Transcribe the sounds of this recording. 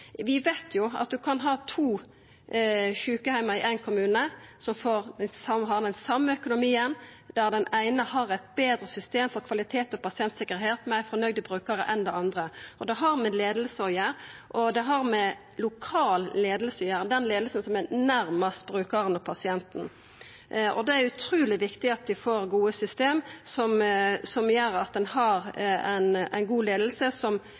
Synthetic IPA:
ʋɪʋeɪt̪ʰjʊɑ̰t̪̚d̪ʉkʰɑnɦɑːt̪ʰuː | çʉːkəhæɪmɑɪʔæɪnkʰʊmʉːnəsɔmfoːɾd̪ɛnsɑmɦɑʁd̪ɛnsɑmːəœkʊnʊmiːənd̪̥æʁd̪ɛnæɪnəhɑɾæɪt̪̚beːd̪ɾəsʏst̪eːmfɔɾkʰʋɑlɪt̪ʰeːt̪ɔpɑsɪɛnt̪sɪkəɾɦeːt̪mæɪfɔɾnœɡd̪əbɾʉːkɑɾə̰ʔɛnd̪ɛɑnd̪ʁəʔɔd̪ɛɦɑɾmɛleːd̪əl̩səɔjæɾʔɔd̪ɛɦɑɾmɛ | lʊkʰɑːlleːd̪əl̩səɔjæːɾd̪ɛnleːd̪lsənsɔmænæɾmɑst̪b̥ɾʉːkɑɾənɔpʰɑsɪɛnt̪n̩ | ʔɔ̰d̪ɛæɾʉt̪ʰɾʉːlɪʋɪkt̪ɪɑt̪ʋɪfoːɾɡuːəsʏst̪eːmsɔmsɔmjøːɾɑt̪̚d̪ɛnhɑɾæ̰ɪnæ̰ɪnɡuːleːd̪l̩səsɔm

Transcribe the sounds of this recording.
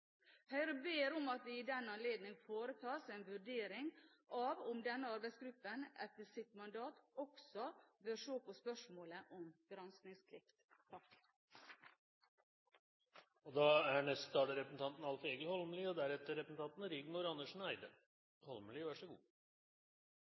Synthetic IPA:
hœʏɾəbeːɾɔmɑt̪ʋɪɪd̪ɛnːɑnleːd̪nɪŋfoːɾət̪ʰɑːsenʋʉɖeːɾɪŋʔɑʋɔmd̪ɛnːəɑɾbæɪsɡɾʉpːənʔɛt̪ːəsɪt̪mɑnd̪ɑːt̪ɔksɔbøːɾʂoːpɔspœʂmoːləʔɔmɡ̥ɾɑnsknɪŋskʰɾɪft̪ʰɾɑkk | ɔd̪ɑːæɳɛst̪ɑːɖ̪əɾɛpɾəsn̩t̪ʰɑnt̪n̩ɑlfeːɡəlhɔlməliɔd̪æɾɛt̪ːəɾɛpɾəsn̩t̪ɑnt̪n̩ɾɪɡnʊɾɑnːəʂnæɪd̪ə | hɔlməlɪʋæʂɔɡṵː

